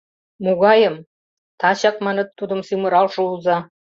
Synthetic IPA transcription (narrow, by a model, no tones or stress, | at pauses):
muɣɑjə̆m | t̪ɑɕɑkmɑnɤ̆t̪ːud̪ə̆msymə̆ɾɑlʃɤ̆uzɑ